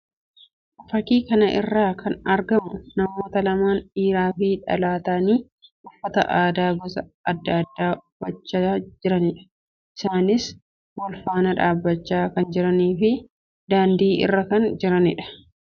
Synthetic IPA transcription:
ʔɐfɐkiːkɐnɐʔɪ̰rːaːkʰɐnɐɾɡɐmʊnɐmoːt̪ɐlɐmaːnᶑiːɾaːfɪᶑɐ̰laːt̪ɐniː | ʔʊfːɐt̪ɐ̰ʔaːd̪aːbɐsɐɐd̪ːɐɐd̪ːaːb̥ɐt͡ʃːɐd͡ʒɪɾɐnɪᶑɐ̥ | ʔɪsaːnɪs | wɐlfaːnɐᶑaːbːɐt͡ʃːaːkɐnd͡ʒɪɾɐniːfɪ | d̪aːnd̪iːɪ̰rːɐkɐnd͡ʒɪɾɐnɪᶑɐ̥

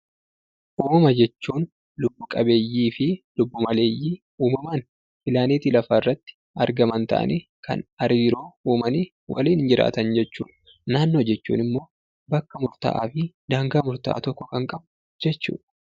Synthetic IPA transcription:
ʔuːmɐmɐd͡ʒɛt͡ʃːuːn | lʊbːʊkʼɐbe̞ːjːiːfɪlʊbːʊmɐle̞ːjːiː | uːmɐmaːn | fɪlaːniːt̪ilɐfɐɪrːɐt̪ːɪ̥ | ɐɾɡɐmɐnt̪ɐ̰ʔɐ̰nʔi | kʰɐ̰nɐɾiːɾoːuːmɐni | wʔɐ̰liːnɪnd͡ʒɪɾʔa̰ːt̪ɐnd͡ʒɛt͡ʃːṵːᶑ | naːnːo̞ːd͡ʒɛt͡ʃːṵːnɪmːo̞ː | bɐkːɐmʊɾt̪a̰ʔa̰ːfɪd̪aːŋɡaːmʊɾt̪a̰ːt̪ɔkːɔkɐŋkʼɐbʊ | d͡ʒɛt͡ʃːṵːᶑɐ̥

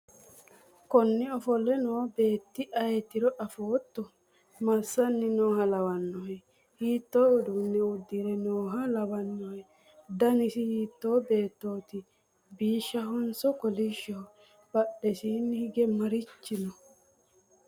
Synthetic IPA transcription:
kɔnːɪɔfɔlɛnoːbe̞ːt̪ːɪʔɐjɛt̪ːɪɾɔʔɐfoːt̪ːɔ | mɐsːɐnːɪnoːɦɐlɐwɐnːɔhɛ | hiːt̪ːoːʊd̪ʊnːɛʊd̪ːiɾɛnoːɦɐlɐbɐnːɔhɛ | d̪ɐnɪsɪhiːt̪ːo̞ːbe̞ːt̪ːo̞ːt̪ɪ | biːʃːɐɦɔnsɔkɔliʃːɔ | b̥ɐɗːɛsiːnːɪhɪɡɛmɐɾɪt͡ʃːɪnɔ

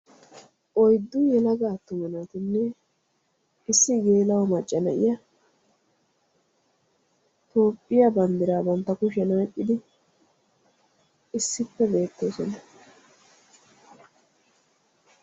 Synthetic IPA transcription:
ʔɔjd̪ːʊjɛlɐɡaːt̪ːʊmɛnɐt̪ɪnːɛ | ɪsːɪɡe̞ːlɐwɔmɐt͡ʃʼːɐnɐʔɪjɐ | t̪o̞ːpʼːɪjɐbɐnd̪ɪɾaːbɔnt̪ːɐkʊʃɛnaːkʼːɪd̪ɪ | ɪsːɪpːɛbe̞ːt̪ːo̞ːsɔnɐ

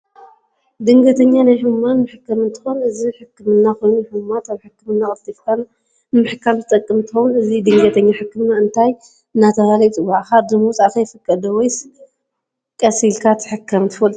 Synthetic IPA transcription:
d̪ɨŋɡɐt̪ʰɐɲːanajħɨmanmɨħɨkːɐmɨnt̪ʰɨ̥xonɨziħɨkːɨmɨnːaxojnuħɨumat̪aβħɨkːɨmɨnːaxʼɨlt̪ʰʼifkʰana | mɨħɨkːamzɨt̪ʼɐkʼːɨmnt̪ʰɨxownɨzid̪ɨŋɡɐt̪ʰɐɲːaħɨkːɨmnːaɨnt̪ʰaj | ɨnat̪ʰɐβalɐt͡s̪ʼɨβaʕxad̪ɨmuwt͡sʼat̪ʰajfɨkʼːɐd̪ɐwɔjs | kʼɐsilkʰat̪ʰɨ̥ħɨkʰːɐmnt̪ɨfɐl

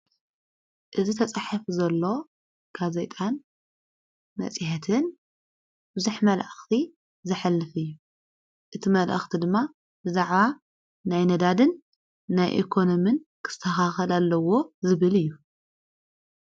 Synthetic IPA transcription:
ʔɨzit̪ʰɐt͡sʼaħafuzɐlːo̞ | ɡ̥azet̪ʼan | mɐ̰t͡sʼihɛt̪ʰɨn | bɨzuħmɐlʔɨxt̪ʰi | zɨħalːɨfɨjːu | ʔɨt̪ʰimɐlʔɐ̰xt̪ʰid̪ɨmːa | bɨzaʕβa | najnɐd̪ad̪ɨnː | ajʔḭkʰo̞nomɨnkʰɨ̥t̪ʰːɐxaxɐlalːɐwo̞zɨβɨlɨjːu

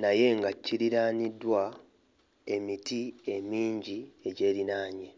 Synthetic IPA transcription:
naje̞ŋɡacːiɾiɾaːnidːwa | e̞mitie̞miːɲɟie̞ɟe̞ːɾinaːɲe

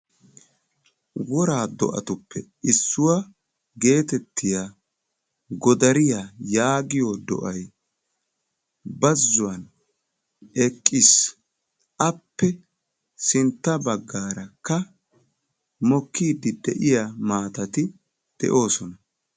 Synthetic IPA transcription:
wɔɾaːd̪ɔ̰ʔɐ̰t̪ʊpːɛ | ɪsːʊwɐ | ɡe̞ːt̪ɛt̪ːɪja | ɡɔd̪ɐɾɪjajaːɡɪjod̪ɔ̰ʔɐj | bɐzːʊwɐn | ɛkʼːɪs | ʔɐpːɛ | sɪnt̪ːɐbɐɡːaːɾɐkːɐ | mɔkʰːiːd̪ɪd̪ɛ̰ʔɪjamaːt̪ɐt̪ɪ | d̪̥ɛ̰ʔo̞ːsɔnɐ

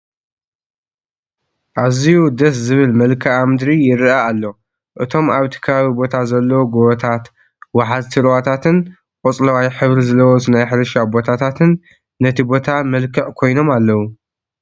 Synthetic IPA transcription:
ʔaziud̪ɐs̬zɨβɨlmɐlkʰɐʔamɨd̪ɾijɪɾaalːo | ʔɨt̪ʰo̞maβt̪ʰɨ̥kʰːɐβaβibo̞t̪ʰazɐlːɐwoɡoβɐt̪ʰat̪ | waħazt̪ʰɨɾwat̪ʰat̪ʰɨn | qʼɔt͡sʼlɐwajħɨβɾizɨlɐwɔsnajħɾɐʃabo̞t̪ʰat̪ʰat̪ʰɨnː | ɐt̪ʰibo̞t̪ʰamɐlkʰɐʕkʰo̞jno̞malːɐwu

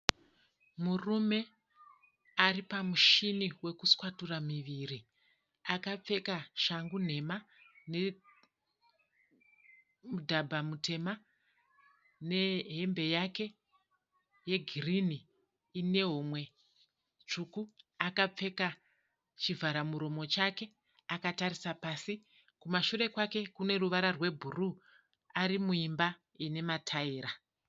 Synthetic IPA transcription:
murume̞ | aripamuʃiniwe̞kuskwaturamiʋiri | akap͡fe̞kaʃaŋɡun̤e̞ma | ne | mudʱabʱamute̞ma | ne̞ɦe̞mbe̞jake̞ | je̞ɡʱirini | ine̞ɦomwe̞ | t͡ʂukuakap͡fe̞ka | t͡ʃivaɾamuɾo̞mo̞t͡ʃake̞ | akataɾisapaːsi | kumaʃure̞kwake̞kune̞ruʋaɾarwe̞bʱuru | aɾimuimba | ine̞matʰaiːɾa

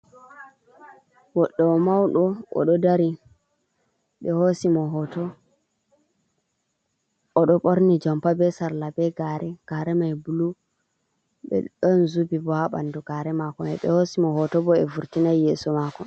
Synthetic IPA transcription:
wɔɗːɔɔmawɗɔɔ̰ɗɔdaɾi | ɓɛhosimɔɦɔtɔ | ɔɗɔpʼoɾnid͡ʒɔmpabɛsaɾlabɛɡaɾɛɡ̥aːɾɛmajbulu | ɓɛ̰ɗɔnzubibɔaɓa̰ndɔɡ̥aɾɛmakɔmɛ̰ɓɛhosimɔɦɔtɔbɔɛvuɾtinajːɛːsɔmakɔn

